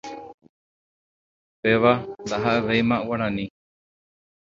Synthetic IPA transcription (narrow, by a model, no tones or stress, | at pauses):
peʋand̪aɦaʔeʋejmãʔuaɽ̃ãnĩ